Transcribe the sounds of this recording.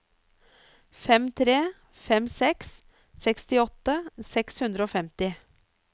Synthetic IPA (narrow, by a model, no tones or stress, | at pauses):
fɛmt̪ʰɾeː | fɛmsɛks | sɛkst̪ɪɔt̪əsɛkshʉnd̪ɾəoːfɛmt̪ɪ